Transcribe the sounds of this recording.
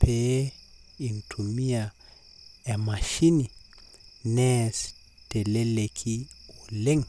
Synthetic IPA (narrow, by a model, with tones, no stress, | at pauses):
pʰe˦ | i˨ntʰu˨mi˦a˨ | e˨ma˨ʃi˦ni˨ | nɛs | te˨le˦le˨kʰi˦u˨le˦ŋ